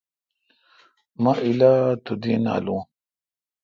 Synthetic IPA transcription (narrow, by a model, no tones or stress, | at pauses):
maʔilat̪ud̪ina̰lũː